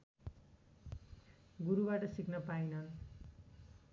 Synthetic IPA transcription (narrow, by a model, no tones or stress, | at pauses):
ɡuɾubaʈʌsiknʌpajnʌn